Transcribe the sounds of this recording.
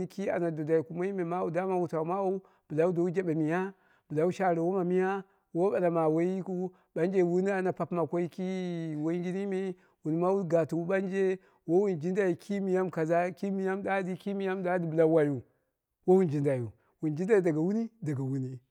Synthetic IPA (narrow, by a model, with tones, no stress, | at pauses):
ki˦a̰˨na˨do˨da˨i˨ku˦ma˦i˦me˨ma˦u˦da˦ma˦wu˨ta˨u˨˦ma˦u˦ | b̥ə˨la˦u˦do˨u˦d͡ʒa˦ɓa˨mi˨ja˦ | b̥ɨ˨la˨wu˦ʃa˨ɾa˨wo˦ma˨mi˦ja˦ | wo˦ɓa˨la˨ma˨wo˦ji˦ku˦ | ɓa˦nd͡ʒe˦˨wu˦ni˦a˨na˨pa˨pma˨kʷo˦i˦ki˦wo˦i˦ɡi˦ni˦me˦ | wu˨n˨ma˦wu˦ɡa˨tu˨u˦ɓa˦nd͡ʒe˦ | wo˦wu˦nd͡ʒi˦nda˨ji˨kʰi˦mi˨ja˦mka˨za˦ki˦mi˨ja˦mda˦di˦ki˦mi˦ja˦mda˦di˨bə˨la˨˦wa˨ju˨ | wo˦wu˦nd͡ʒi˨nda˨ju˨ | wu˨nd͡ʒi˦da˦i˨da˨ɡa˨wu˦ni˦da˨ɡa˨wu˦ni˦